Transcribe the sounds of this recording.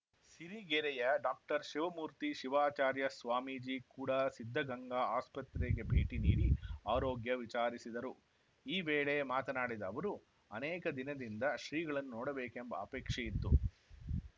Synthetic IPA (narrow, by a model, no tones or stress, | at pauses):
siɾiɡeɾɛjɐɖaːk̚ʈɐɾʃiʋɐmuːɾt̪iʃiʋaːt͡ʃaːɾjɐsʋaːmiːd͡ʒiːkuːɽɐsid̪ʱːɐɡɐŋɡaaːspɐt̪ɾeɡe̞bʱeːʈinḭːɽiaːɾoːɡjɐʋit͡ʃaːɾisid̪ɐɾu | iːʋeːɭemaːt̪ɐnaːɽid̪ɐːʋɐɾu | ɐnɛːkɐd̪inɐd̪ind̪ɐʃɾiːɡɐɭɐnːunɔːɽɐbeːkembɐ̰ːpɛːkʂɐjit̪ːṵ